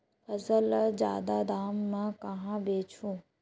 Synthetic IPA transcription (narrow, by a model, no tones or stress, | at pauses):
ɐzəld͡ʑja̰ːd̪ad̪aːmːãkɐɦãbeːt͡ʃʰũː